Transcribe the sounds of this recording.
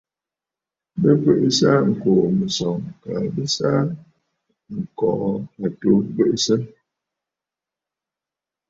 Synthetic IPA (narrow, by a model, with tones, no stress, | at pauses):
bə˦pə˦˨ʔsa˦ŋ̩˨ko˨mə˨sɔ˨ŋ˨ka˨bə˦sa˦ | ŋ̩˨kɔ˨˦a˨to˨˦bə˦ʔsə˦m